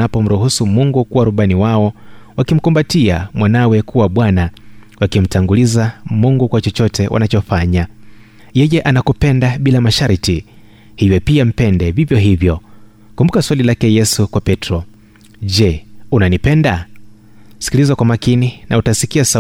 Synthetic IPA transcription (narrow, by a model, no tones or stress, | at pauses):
apɔm̩ɾuhusumuŋɡukuwaɾuɓaniwaɔwakim̩kumbatiamwanawɛkuwaɓwanawakim̩taŋɡulizamuŋɡukwat͡ʃɔt͡ʃɔtɛwʔa̰nat͡ʃɔfaɲa | jɛjɛʔanakupɛndaɓilamaʃaɾiti | hivjɛpiam̩pɛndɛvivjɔɦivjɔ | kumbukaswalilakɛjɛsukwapɛtɾɔ | ʄɛunanipɛnda | si̥kilizakwamakininautasikiasa